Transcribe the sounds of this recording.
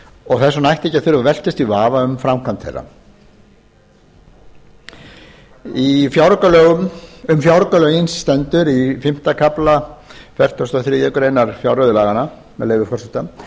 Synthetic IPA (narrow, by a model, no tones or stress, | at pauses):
ɔɣθɛsːɔnajht̪ɛcaθʏɾvavɛl̥cɪst̪ivaːvaʏmfɾamkʰant̪θḛjrːa̰ | ifjawɾɔkalœːɣʏmʏmfjawɾɔkalœːjɪnsːt̪ɛnt̪ʏɾifɪm̥t̪akʰaplafɛr̥t̪ɔst̪ɔθɾɪɛkʏɾejnaɾ̥fjawrœðʏlaːɣana | mɛðleːjvʏfɔrsʏt̪am